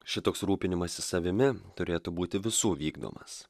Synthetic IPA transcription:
ʃʲɪt̪oːksɾuːpʲɪnʲɪmɐsʲɪsɐʋʲɪmʲɪt̪ʊɾʲeːt̪ubuːt̪ʲɪʋʲɪsuːʋʲiːɡd̪o̰ːmɐ̰s

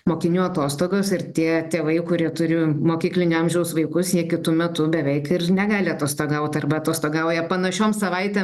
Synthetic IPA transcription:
moːkʲɪnʲuːɐt̪oːst̪oːɡoːsɪrt̪ʲiɛt̪ʲeɛʋɐɪkʊɾʲiɛt̪ʊɾʲʊmoːkʲiːklʲɪnʲʊɐmʲʒʲɛʊsʋɐɪkʊsjiɛkʲɪt̪ʊmʲɛt̪ʊbʲɛʋʲɛɪkɪrnʲɛɡɑːlʲɪɐt̪oːst̪oːɡɐʊt̪ʲɐrbɐɐt̪oːst̪oːɡɐʊjɛpɐnɐʃʲoːmsɐʋɐɪt̪ʲeːm

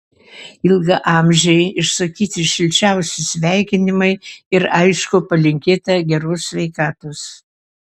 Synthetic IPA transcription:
ɪlˠɡɐʔɑːmʲʒʲɛɪɪʃsɐkʲiːt̪ʲɪʃʲɪlʲt͡ʃʲɛˑʊsʲɪsʲʋʲæˑɪkʲɪnʲɪmɐɪɪɾɐɪʃkʊpɐlʲɪŋʲkʲeːt̪ɐɡʲɛɾʊsʲsʲʋʲɛɪkɑːt̪ʊs

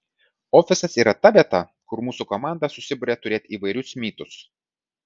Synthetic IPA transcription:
oːfʲɪsɐsiːɾɐt̪ɐʋʲiɛt̪ɐ | kʊɾmuːsukomɑːˑnd̪ɐsʊsʲɪbʊɾʲet̪ʊɾʲeːt̪ʲiːʋɐɪɾʲʊsmʲiːt̪ʊs

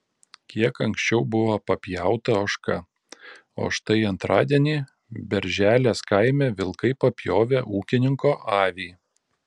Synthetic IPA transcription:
kʲiɛkɐŋksʲt͡ʃʲɛʊbʊʋopɐpʲjæˑʊt̪ɐoːʃkɐ | o̰ʃt̪ɐɪɐnt̪ɾʔɑːd̪ʲiɛnʲiː | bʲɛɾʲʒʲæːlʲeːskɐɪmʲeːʋʲɪlˠkɐɪpɐpʲjoːʋʲeʔuːkʲɪnʲɪŋkoːʔɑːʋʲiː

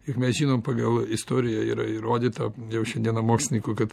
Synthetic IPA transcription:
jɪkmʲɛsʒʲiːnoːmpɐɡɐlˠɪst̪oːɾʲɪjɛḭːɾɐɪɾoːd̪ʲiːt̪ɐjɛʊʃʲɛnd̪ʲiɛnɐmoːksʲɪnʲikʊkɐt̪

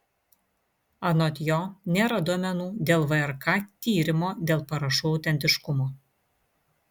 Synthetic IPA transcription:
ɐnoːt̪ʲjoːnʲeːɾɐd̪uɔmʲɛnuːd̪ʲeːlˠʋɐɛɾkɑːt̪ʲiːɾʲɪmoːd̪ʲeːlˠpɐɾɐʃuːɒʊt̪ʲɛnʲt̪ʲɪʃkʊmoː

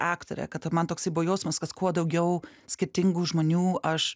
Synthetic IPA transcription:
ɑːkt̪o̰ːɾʲɛ̰kɐt̪ɐmɐnt̪oːksɐɪboːjɛʊsʲmɐskɐskuɔd̪ɐʊɡʲɛʊsʲkʲɪɾʲt̪ʲɪŋɡuːʒmoːnʲuːɐʃ

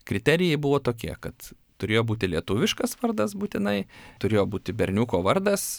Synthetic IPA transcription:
kɾʲɪt̪ʲɛɾʲɪjɛɪbʊʋoːt̪oːkʲiɛkɐt̪ | t̪ʊɾʲeːjoːbuːt̪ʲɪlʲiɛt̪uːʋʲɪʃkɐsʋɐrd̪ɐsbuːt̪ʲɪnɐɪt̪ʊɾʲeːjoːbuːt̪ʲɪbʲɛɾʲnʲuːkoːʋɐrd̪ɐs

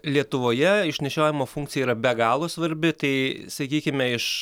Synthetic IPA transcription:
lʲiɛt̪ʊʋoːjɛɪʃʲnʲɛʃʲoːjɪmoːfuŋʲkt̪t͡s̪ʲɪjɛiːɾɐbʲɛɡɑːlˠoːsʋɐɾʲbʲɪt̪ɐɪsɐkʲiːkʲɪmʲɛɪʃ

